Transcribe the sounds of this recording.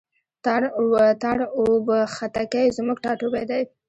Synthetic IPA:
t̪aɽt̪aɽobəxat̪akajzmuɡʈɑʈubajd̪aj

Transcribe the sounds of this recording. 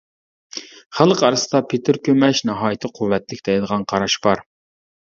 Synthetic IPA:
χælˠqɑɾɨsɨd̪ɑpʰet̪ʰɪɾkʲømɛʃnɑɦɑːjit̪ʰɨqʰuwːɛt̪lɪkʲt̪d̪ɛjd̪əʁɑnqʰɑɾɑʃbɑɾ

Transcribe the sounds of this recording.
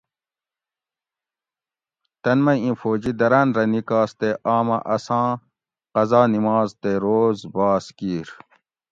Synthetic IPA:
t̪ɐnmɐĩfoːd͡ʑid̪ɐɾanɾɐnikaːst̪eʔaːmɐʔɐsãː | qɐzaːnimaːzt̪eɾoːzbaːskiːɾ

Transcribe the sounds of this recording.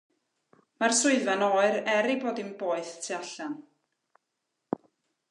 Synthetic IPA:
marsʊɨvanɔːɨɾɛɾiboːdimboːɨðtʰiaɬan

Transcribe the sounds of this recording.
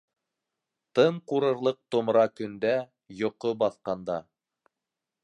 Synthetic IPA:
t̪ɤɴquɾɤ̆ɾlˠɤq̚t̪ŏmɾɑkɵ̆nd̪æ | jŏqobɑθqɑnd̪ɑ

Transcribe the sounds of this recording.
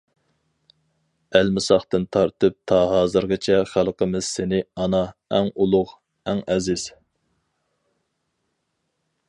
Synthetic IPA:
ælmɪsɑχt̪ɨnt̪ʰɑɾt̪ʰɨp̚t̪ʰɑɦɑːzɨɾʁɨt͡ʃʰɛχælˠqəmɪz̥senɪɑnɑɛŋulˠʊχ | æŋɛzɪz̥

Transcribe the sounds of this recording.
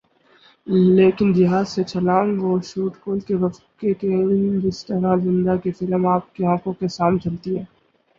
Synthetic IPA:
leːkɪnd͡ʒɐɦãset͡ʃʰɐlãːŋɡoːʃuːʈkoːlkeʋɐfkekeɪnd͡ʒɪst̪ɐɾazɪ̃nd̪akefɪləmaːp̚keãːkõkesaːmnt͡ʃɐlt̪iɦɛː

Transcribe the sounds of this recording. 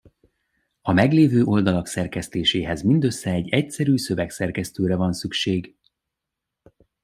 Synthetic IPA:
ɒmɛɡleːvøːʔo̞ld̪ɒlɒksɛrkɛst̪eːʃeːɦɛzmind̪øsːɛɛɟːɛcsɛɾyːsø̞vɛksɛrkɛst̪øːɾɛvɒnsykʃeːɡ

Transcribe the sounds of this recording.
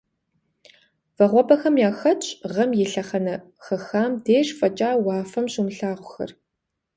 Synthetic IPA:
vɐʁʷɔbɐxɐmjaːxɐt͡ʃʼʁɐmjɛɬɐχɐnɐ | xɐxaːmdeːʂfɐt͡ʃʼaːwɑːfɐmɕumɬaːʁʷʊxɐ̰r

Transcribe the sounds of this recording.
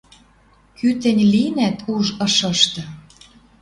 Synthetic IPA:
kyt̪ɘ̆nʲlinæt̪ʰuʒɤ̆ʃɤ̆ʃt̪ɤ̆

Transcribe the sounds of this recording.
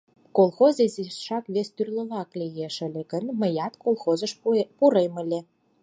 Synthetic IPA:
kolˠxozezisʃɑkβest̪yrlə̆βɑklʲejeʃə̆lʲĕɡə̆nmə̆jɑt̪kolˠxozə̆ʃpuɾemə̆lʲĕ

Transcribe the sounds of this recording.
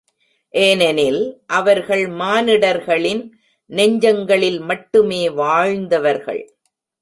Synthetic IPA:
ʔeːnɛnɪlʔɐʋɐɾɣɐɭmaːnɪɽɐɾɣɐɭɪn | nɛɲd͡ʒɐŋɡɐɭɪlmɐʈːɯmeːʋaːɻnd̪ɐʋɐɾɣɐ̰ɭ

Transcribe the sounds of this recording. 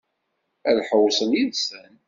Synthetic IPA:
æðħəwsˤəljinsæn

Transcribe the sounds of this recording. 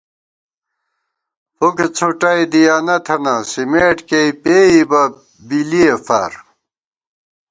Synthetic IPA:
foket͡sʰoʈɐjd̪ijaːnɐt̪ʰɐnɐsimeːʈkeipeːibɐ | biliefa̰ːɾ

